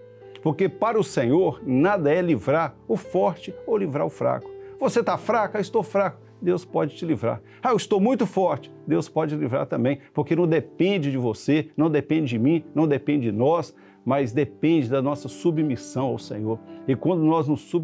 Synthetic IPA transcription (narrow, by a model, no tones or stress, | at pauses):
poɾkepaɾɐʊsẽɲoɾnad̪ɐɛlivɾaɾʊfɔɾt͡ʃɪowlivɾa̰ɾʊfɾa̰kʊ̥voset̪afɾakɐɪst̪owfɾakʊ | d̪ewspɔd͡ʒɪt͡ʃɪlivɾa̰ɾ | aewɪst̪owmũj̃t̪ʊfɔɾt͡ʃɪ̥d̪ewspɔd͡ʒɪlivɾa̰ɾt̪ɐ̃mbẽj̃poɾkenɐ̃w̃d̪epẽd͡ʒɪd͡ʒɪvosenɐ̃w̃d̪epẽnd͡ʒɪd͡ʒɪmĩnɐ̃w̃d̪epẽnd͡ʒɪd͡ʒɪnɔs | mɐzd̪epẽnd͡ʒɪd̪ɐnɔsɐsubmisɐ̃w̃awsḛ̃ɲoɾɪkwɐ̃nd̪ʊnɔznʊsːu